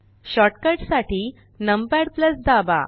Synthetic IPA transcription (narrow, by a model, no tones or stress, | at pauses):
ɕɔʈkəɾʈsaʈiː | nəmpaɽpləsd̪aba̰